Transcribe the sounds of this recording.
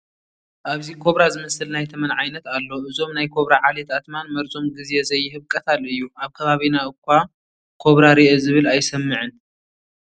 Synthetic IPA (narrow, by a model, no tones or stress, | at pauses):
ʔaβzikʰo̞βɾazɨmɐsɨlnajt̪ʰɐmɐnʕajnɐt̪alːo̞ɨzo̞mnajkʰo̞βɾaʕalet̪at̪manmɐɾzo̞mɡɨzezɐjːɪɦɨβkʼɐt̪ʰalɨjːuaβkʰɐβaβinaʔɨkʰːʷa | kʰo̞βɾaɾiʔezɨβɨlajsɐmːɨʕɨn